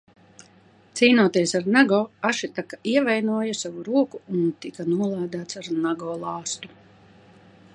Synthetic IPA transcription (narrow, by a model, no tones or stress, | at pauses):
t̪siːnuɔt̪iɛsaɾnaɡɔːaʃit̪akḁiɛvajnuɔjasavuɾuɔkuunt̪ikanuɔlˠaːd̪aːt̪saɾnaɡɔːlˠɑːst̪u̥